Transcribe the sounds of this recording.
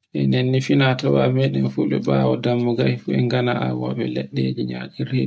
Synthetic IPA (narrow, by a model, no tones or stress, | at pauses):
ʔɛnɛnːifinatɔwamɛɗɛnfuɓɛɓaːwɔdamːuɡahifuɛŋɡanaʔawa̰ɓɛlɛɗːed͡ʒiɲa̰kiɾe